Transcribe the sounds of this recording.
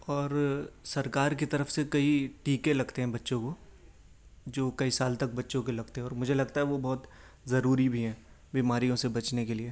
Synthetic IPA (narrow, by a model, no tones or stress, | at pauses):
ɔːɾsɐɾkaːɾk̬it̪ɐɾəfsekɐiʈiːkelɐɡt̪eɦɛ̃bɐtːʃõko | d͡ʒoːkɐisaːlt̪ɐk̚bɐtːʃõk̬elɐɡt̪eɦɛ̃ɔːɾmʊd͡ʒʱelɐɡt̪aɦɛʋobɔːt̪ | zɐɾuːɾibʱiɦɛ̃ː | biːmaːɾijõsebɐt͡ʃnekelieː